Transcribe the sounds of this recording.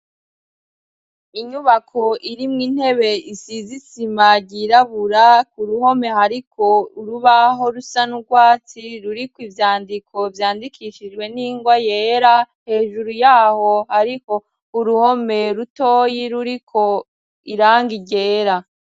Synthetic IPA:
iɲuβakʰo̞ʔiɾimŋiːn̥he̞βe̞isizisimaɟiɾaβuɾakuɾuho̞me̞haɾiko̞uɾuβaɦo̞ɾusanuɾɡwaːt͡siɾuɾikwivjaːndikʰo̞vjaːndikʰiʃid͡ʒɡwe̞niːŋɡwajeːɾa | he̞ːʒuɾujaːho̞haɾiko̞ | uɾuho̞me̞ɾutoːjiɾuɾikʰo̞ | iɾaːŋɡiɟe̞ːɾa

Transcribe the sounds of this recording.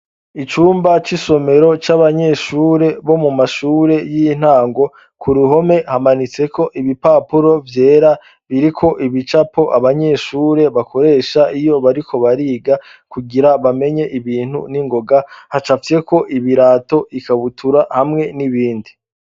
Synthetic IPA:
it͡ʃuːmbat͡ʃiso̞me̞ɾo̞t͡ʃaβaɲe̞ʃuːɾe̞βo̞mumaʃuːɾe̞jin̥aːŋɡo̞ | kuɾuɦo̞me̞hamanit͡se̞kʰo̞ʔiβipaːpuɾo̞vje̞ːɾa | βiɾikʰo̞ʔiβit͡ʃapo̞ʔaβaɲe̞ʃuːɾe̞βakʰo̞ɾe̞ːʃaʔijo̞βaɾikʰo̞βaɾiːɡa | kuɡiɾaβame̞ɲe̞ʔiβiːn̥hṵniŋɡo̞ɡahat͡ʃafije̞kʰo̞ʔiβiɾaːto̞ikaβutʰuɾahamŋe̞niβiːndi

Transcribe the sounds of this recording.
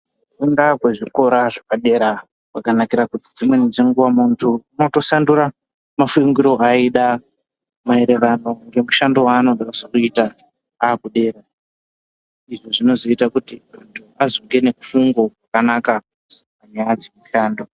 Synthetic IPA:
kundakwe̞ʐiko̞ɾaʐakaɗe̞ɾa | wakanakiɾakutid͡zimwe̞ninzeŋɡuwamuntʰuunoto̞sandura | mafuŋɡiɾo̞ʔaiɗa | mae̞ɾe̞ʋano̞ŋɡe̞muʃando̞waːno̞ɡʱaasokuita | aːkuɗe̞ːɾa | iʐo̞ʐino̞zo̞itakutimuntʰuazoŋɡe̞ne̞ku̥fuŋɡo̞kwakanaka | paɲajad͡zemuʃaːndo̞

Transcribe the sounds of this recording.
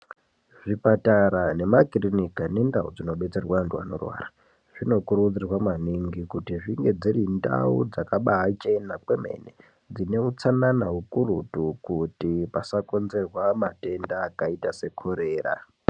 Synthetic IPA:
ʐipataɾane̞makirinikane̞ndaud͡zino̞ɓe̞t͡serwantua̰no̞̰rwa̰ːra | ʐ̥ino̞kuruud͡zirwamaniŋɡikutiʐiŋɡe̞d͡zirinda̰ṵd͡zakaɓaɦat͡ʃe̞nakweme̞̰ne | d͡zine̞ut͡sananaɦukurutukutipasako̞nze̞rwamate̞ndaːkaitase̞kʰoɾe̞ːra̰

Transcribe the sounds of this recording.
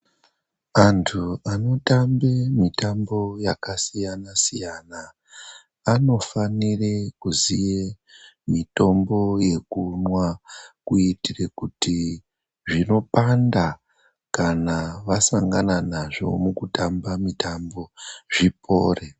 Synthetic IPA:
antʰuano̞tambemitambo̞jakasijanasijanaː | no̞fanirekuzije | mito̞mbo̞je̞kunwakuitirekuti | ʐino̞panda | kanaʋasaŋɡananaʐo̞̰mukutambamitambo̞ʐipʰo̞ːre

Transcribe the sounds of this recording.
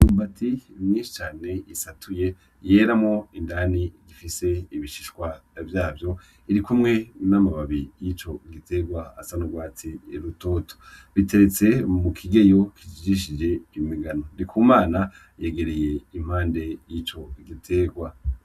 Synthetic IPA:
juːmbatʰimɲĩːnʃi̥t͡ʃaːne̞isatʰuje̞ | je̞ɾamŋo̞indaniɡifise̞iβiʃi̥ʃkwavjaːvjo̞ | iɾikumŋe̞namaβaβijit͡ʃo̞ɡite̞ɡwaa̰sanuɡwaːtiɾuto̞to̥βite̞ɾet͡se̞mukʰiɡe̞jokʰid͡ʒid͡ʒiʃ̬id͡ʒe̞imiɡano̞dikʰuːmaːna | je̞ɡe̞ɾe̞je̞im̥aːnde̞jit͡ʃo̞ɡitʰe̞ːɡwa

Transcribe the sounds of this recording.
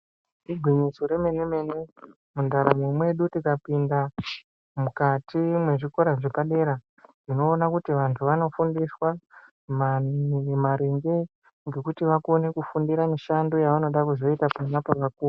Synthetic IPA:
diɡʱwiɲisoɾe̞me̞ne̞me̞ne̞ | mundaɾamwemwe̞ɗutikapinda | mukatimwe̞ʐiko̞ɾaʐepaɗe̞ɾa | rino̞ːnakutiʋantʰuʋano̞fundiswa | mamaɾeŋɡe̞ | ŋɡe̞kutiʋakone̞kufundiɾamiʃando̞jaʋano̞ɗakuzo̞itapanapaʋakuːru

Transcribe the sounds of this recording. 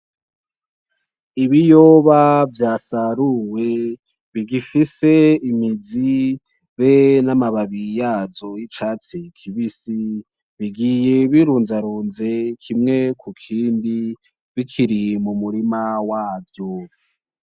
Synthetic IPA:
iβijoβavjaːsaɾuwe̞ | βiɡifise̞imid͡zi | βenamaβaβijaːzo̞jit͡ʃat͡sikʰiβisi | βiɡije̞βiɾuːnzaɾuːnze̞kʰimŋe̞kʰukʰiːndi | βikʰiɾimumuɾimawaːvjo

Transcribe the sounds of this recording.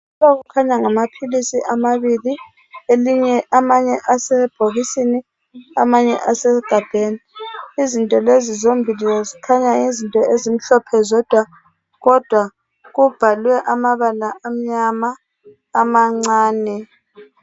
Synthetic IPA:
aɣukʰaɲaŋamapʰilisiʔamaβili | eliɲɛʔamaɲɛʔasɛb̥ʱoɣisini | a̰maɲɛ̰ʔasɛɡ̥ʱab̥ʱeniizintʼɔlezizombʱilɛlɛzikʰaɲaizintʼɔezim̩ɬɔpʰɛzɔd̥ʱwa | ɣɔd̥ʱwa | ɣub̥ʱalwɛʔamaβalaʔam̩ɲamaː | maŋ͡ǀaːnɛ

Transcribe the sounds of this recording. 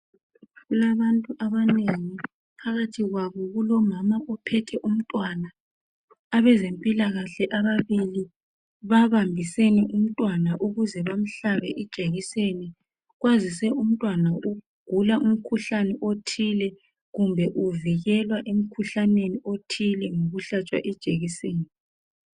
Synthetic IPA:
ɣulaβantʼuʔaβaneŋi | pʰaɣatʰiɣwaβɔɣulɔmamaʔɔpʰɛtʰɛʔum̩tʼwanaː | βɛzempʼilaɣaɬɛʔaβaβili | βaβambʱiseniʔum̩tʼwanaʔuɣuzɛβam̩ɬaβɛʔid̥ʒ̥ʱeɣiseni | ɣwazisɛum̩tʼwanaʔu | ɡ̥ʱulaʔum̩kʰuɬanɛʔotʰilɛ | ɣumbʱɛʔuviɣɛlwaʔem̩kʰuɬaneniotʰilɛŋoɣuɬat͡ʃʼwa̰ʔɛd̥ʒ̥ʱeɣiseːni

